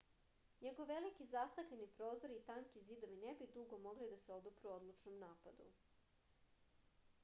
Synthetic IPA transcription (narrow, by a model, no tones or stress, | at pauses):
ɲeɡoʋe̞likizast̪akʎe̞nipɾo̞ːzo̞ɾiːt̪aŋkizid̪o̞ʋinebid̪uɡomo̞ɡlid̪aseod̪upɾuo̞d̪lˠut͡ʃnomnaːpad̪ṵ